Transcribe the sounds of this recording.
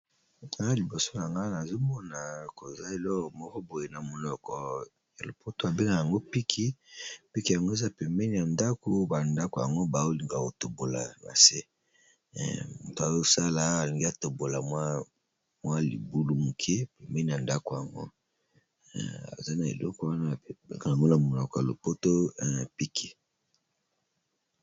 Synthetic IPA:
a˨˦li˨bo˨so˦a˨ŋɡa˦na˨zo˦mɔ˦na˨ko˨za˦e˨lɔ˦˨mɔ˦kɔ˦bo˨je˨na˨mo˨lɔ˦kɔ˨ | a˨lo˨po˦to˦a˨be˦ŋɡa˨ja˨ŋɡo˦pi˦kʰi˦pi˦ki˦ja˨ŋɡo˦e˦za˦pɛ˨mɛ˦ni˨a˨nda˦ko˨ba˨nda˦ko˨ja̰˨ŋɡo˦ba˨o˦li˨ŋɡa˨ko˨to˨bo˨la̰˨na̰˨sḛ˦˨ | mo˨to˨a˨jo˦˨sa˦la˨a˨li˨ŋɡi˦a˨to˨bo˨la˨mwa˦ | mwa˦lḭ˨bu˦lu˦mu˨kʰe˦pe˨mbɛ˦ni˨ja˨nda˦ko˨ja˨ŋɡo̰˦˨ | a̰˨za˦na˨ḛ˨lɔ˦kɔ˨wa˦na˦˨˦be˦ŋɡa˨a˨ŋɡo˦na˨mo˨lɔ˨kɔ˨ja˨lo̰˨po˦to˦˨pi˦kʰi˨

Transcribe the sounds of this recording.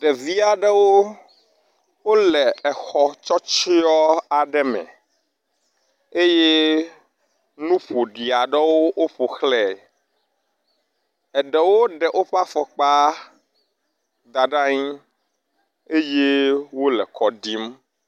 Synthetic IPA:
ɖɛ˨vi˦a˨ɖɛ˦wo˦ | wo˦lɛ˨ɛ˨xɔ˨t͡ʃɔ˦t͡ʃi˦ɔ˦a˨ɖɛ˦mɛ̰̃˨ | e˦je˦ | nũ˦ɸo˨ɖi˨a˨ɖɛ˦wo˦o˦ɸo˨xlɛ˦˨ | ɛ˨ɖɛ˨wo˦ɖɛ˨ʔo˦ɸa˦fɔ˨k͡pa˦ | d̪a˨ɖa˦ɲĩ˦ | e˦je˦wo˦lɛ˨kʰɔ˨ɖi˦m

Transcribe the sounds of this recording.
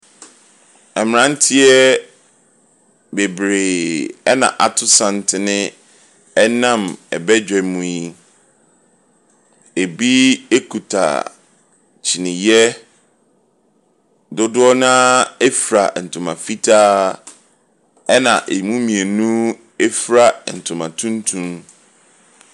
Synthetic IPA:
ɛ˨m˨ɾã˦n̩˦tʰɪ˦ɛ˦ | be˨bɾeː˨ɛ˦nã̰˨ʔa˨tʰʊ˦sã˨n˨tʰɪ˨nɪ̃˦ | ɛ˦nã˦˨mɛ̰˨bɛ˦d͡ʑᶣɛ˨mũ˨˦i˦ | e˨bi˦e˦kʰu˨tʰa̰˨ | t͡ɕʰi˨nɪ̃˨jɛ˦ | dʊ˦dʊ˦ɔ˦nã˦ɛ˦fɾa̰˨n̩˨tʰʊ̃˨mã̰˨fi˦tʰa˦ | ɛ˦nã̰˨ʔe˨mũ˦mĩ˨e˨nũ˦ | e˦fɾa˨n̩˨tʰʊ̃˨mã̰˨tʰũ˦n˦tʰũ˦m

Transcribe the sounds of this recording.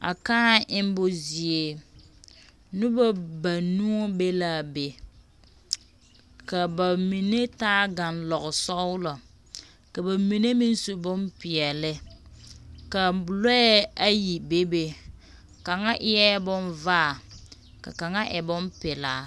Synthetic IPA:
a̰˨kaː˦ʔɪ˦m˦bʊ˦zi˨e˦ | nʊ˦ba˦ba˨nũ˦o˦be˦la˦be˨ | ka˨ba˨mi˨ne˦taː˦ɡa˨nlɔ˨ɣʊ˨sɔ˦lɔ˨ | ka˨ba˨mi˨ne˦mi˦n˦so˨bʊ˦npɪ˨ɛ˨lɪ˦ | ka˨lɔ˦ɛ˦a˦ji˨be˦be˦ | ka˨ŋa˦ʔɪ˦ɛ˦bʊ˦nva˦˨ | ka̰˨ka˨ŋa˦ʔɛ˨bʊ˦mpɪ˨laː˨˦

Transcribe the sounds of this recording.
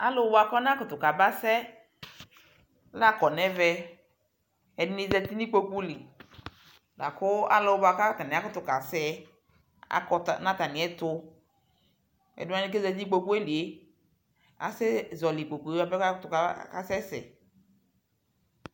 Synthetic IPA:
a˦lo˦wba˨kɔ˦n˦ã˦kʊ˨t̪ʊ˨ka˨ba˦sɛ˦ | la˦kɔ˨nɛ˦vɛ˦ | ɛ˨dni˦zɛ˦t̪i˦ni˦k͡po˦ku˦li˨ | la̰˨kʊ˦a̰˦lo˦ba˨ka˦ka˨nɛ˨a˨˦kʊ˦t̪ʊ˨ka˨sɛ˦ | a̰˦kɔ˨tnã˦t̪a˨nɪ̃˨ɛ˦t̪ʊ˦ | ɛ̰˨dʊ˦ã˦ni˦ke˦zɛ˨d͡ʒi˦k͡po˦ku˦ɛ˦li˨e˦ | a̰˨sɛ˦zɔ˨li˨k͡po˨ku˨˦a˨bɛ˦ka˦kt̪ʊ˨ka˨ka˨sɛ˦sɛ̰˨

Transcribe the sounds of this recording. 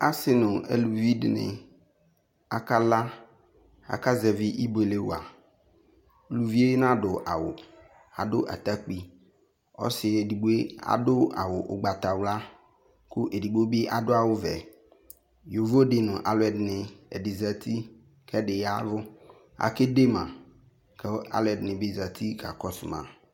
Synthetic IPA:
a˨˦sɪ˨nʊ̃˨ḛ˨lu˨vi˦dɪ˨nɪ̰˨ | a˨ka˦la˦ | a̰˨ka˦zɛ˨vi˦ʔi˦be˨le˦wo̰˨a̰˨ | lu˨vi˦e˦je˦n˦ã˦dʊ˨ʔa˨wʊ˨ | a˨dʊ˦ʔa̰˨t̪a˦k͡pi˨ | ɔ̰˦sɪ˨e˨di˨ɡ͡bo˦e˦a̰˨dʊ˦a̰˨wʊ˨ʔʊ˨ɡ͡ba˨t̪a˨wla˦ | kʊ˦ʔe˨di˨ɡ͡bo˦bɪ˦ʔa˨dʊ˦a˨wʊ˦vɛ˨ | jo˨vo˦dɪ˨nʊ̃˨ʔa˨lʊ˦ɛ˨dnɪ˨ɛ˨dɪ˨za˦t̪ʰi˦ | kʰɛ˦ɖɪ˨ja˦vʊ˦ | a̰˨ke˦de˦mã˨ | kɛ˦a̰˦lɛ˨dnɪ̃˨bɪ˦za˨t̪ʰi˦ka̰˨kɔ˦sʊ̰˨mã̰˨

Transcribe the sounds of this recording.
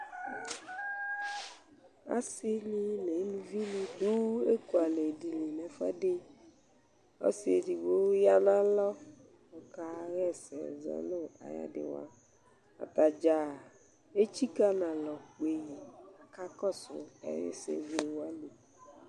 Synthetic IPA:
a̰˦sɪ˦li˦ne˨˦nũ˦vi˦li˦tu˦e˦ku˨a˨le˨di˨li˨nɛ̃˨fa̰˦ɖe˦ | ɔ̰˦sɪ˦e˨ɖi˨bo˦ja˦nã˦lɔ˦ | ɔ˨ka˦ɣɛ˦˨sɛ̰˨zɛ̰˦lo˦a̰˨ja̰˦dɪ̰˨wa̰˦ | a̰˨t̪a˨d͡ʒa˨ | e˦t͡ɕi˦ka˦nã˨lɔ˨k͡pe˨ji˨a˨ka˦kɔ˦sʊ̰˨ɛ̰˦ɾɪ̰˦sḛ˦vi˦˨wa˦li˨

